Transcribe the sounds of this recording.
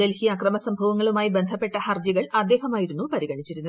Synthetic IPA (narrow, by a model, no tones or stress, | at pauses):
d̪elhijɐːkrɐmɐsɐmbʱɐʋɐŋːɐɭumaːjibe̞nd̪ʱɐpːe̞ʈːɐhɐrd͡ʑiɣɐɭɐd̪ːe̞ːɦɐmaːjiɾunːupɐɾiɣɐɳit͡ɕːiɾunːɐð